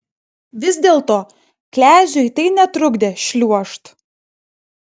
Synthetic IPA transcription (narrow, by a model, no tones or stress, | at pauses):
ʋʲɪzʲd̪ʲeːlˠt̪oː | klʲæːʒʲʊɪt̪ɐɪnʲɛt̪ɾʊɡd̪ʲeːʃʲlʲuɔʃt̪